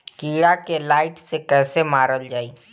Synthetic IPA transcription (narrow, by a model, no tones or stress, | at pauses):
kiːɽakelaːɪʈsekɛːsemaːɾəld͡ʒaːiː